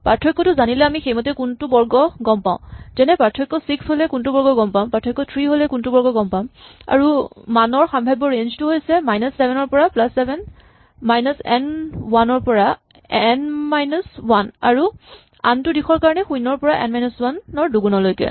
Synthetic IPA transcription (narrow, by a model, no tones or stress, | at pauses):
paɹtʰɹɔjkːɔtʊzanilɛamixejmɔtɛkuntubɔɹɡɔɡɔmpaʊ̃zɛnɛpatʰɹɔjkːɔsiksholɛkuntubɔɹɡɔɡɔmpãʊ̃paɹtʰɔjkːɔtʰɹiɦolɛkuntubɔɹɡɔɡɔmpaʊ̃a̰ɹumanɔɹxambʱajbɔɹend͡ʒtuɦojsɛmajnɔsːɛbʱɛnɔɹpɔɹaplasːɛbʱɛn | majnɔsɛ̰nwanɔɹpɔɹa | ɛnmajnɔswana̰ɹu | a̰ntʊdixʰɔɹkaɹɔnɛxũjnɔɹpɔɹaʔɛ̰nmajnɔswanːɔɹduɡunɔlojkɛ̰